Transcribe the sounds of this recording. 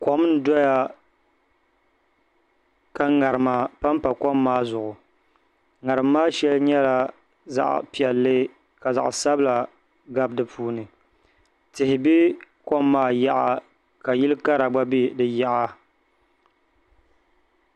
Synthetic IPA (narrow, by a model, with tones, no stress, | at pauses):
ko˦m˦n˦dɔ˦ja˦ | ka˦ŋa˨ɾɨ˨ma˨pa˦m˦pa˨kɔ˦mːaː˦zʊ˨ʔʊ˨ | ŋa˨ɾɨ˨mːaː˦ʃɛ˦lɲɛ˦la˨ | za̰˨ʔpi˨ɛ˨lːɨ˦ | ka˨za̰˨ʔsa˦bɨ˦la˨ | ɡa˦b̚dɨ˨pʰuː˦nɨ˨ | tɪ˨hɪ˨bɪ˦ko˦mːaː˦ja˦ʔa˨ | ka˨jɪ˦lɨ˦ka˦ɾa˨ba˦bi˦dɨ˨ja˦ʔa˦